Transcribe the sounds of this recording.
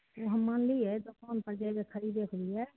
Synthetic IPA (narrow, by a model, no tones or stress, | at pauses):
oɦəmːaːnliɛd̪okaːnpəɾd͡ʒaɡekʰəɾid̪eːkʰliɛː